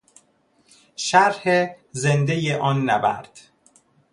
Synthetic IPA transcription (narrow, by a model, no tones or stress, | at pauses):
ʃæɾhezend̪ejeʔɒːnːæbæ̰ɾd̪̥